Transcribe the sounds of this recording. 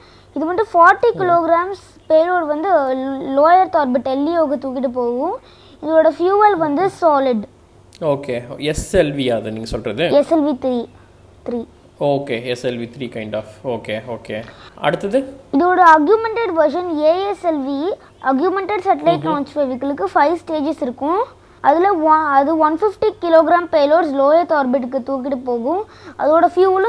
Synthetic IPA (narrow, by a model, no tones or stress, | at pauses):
ɪðɯʋɐɳɖɯfaːɾʈːikɪloːɡɾaːms | peːɾoːɾʋɐnd̪ɯloːjɐɾt̪ɔːɾbɪʈːɛlːioːɣɐt̪uːkɪʈːɯp̬oːɣʊ̃ | ɪðoːɽɐfjuːʋɐlʋɐnd̪ɯsaːlɪɖ | oːkeːɛsɛlʋiaðɯnĩŋɡɐsɔlɾɐðɯɛsɛlʋit̪ɾiː | t̪ɾiː | oːkeːɛsɛlʋit̪ɾiːkɐɪɳɖaːfoːkeːoːkeːɐ̰ɽɯt̪ːɐðɯɪðoːɽɐɐɾɡjumɛɳʈɛɖʋɐɾʂɐneːɛsɛlʋi | ʔɐɡjumɛɳʈɛɖsɐʈɐlɐɪʈnɔːnsʋeːʋɪkːɐɭɯkːɯfɐɪʋsʈeːd͡ʒɛsɪɾɯkːʊ̃ | ɐðɪlɐʋɐɐðɯʋɐnfɪfʈikɪloːɡɪɾaːmpeːloːɾsloːjɐt̪ɔːɾbɪʈ̬ːɯkːɯt̪uːkːɪʈɯpoːɣʊ̃ | ɐ̰ðoːɽɐfjuːl